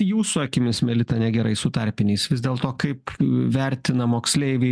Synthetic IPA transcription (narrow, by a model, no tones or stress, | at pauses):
juːsʊɐkʲɪmʲɪsmʲɛlʲɪt̪ɐnʲɛɡʲɛɾɐɪsʊt̪ɐɾʲpʲɪnʲɛɪsʋʲɪzd̪ʲeːlˠt̪oːkɐɪpʋʲɛɾʲt̪ʲɪnɐmoːksʲlʲɛɪʋʲɛ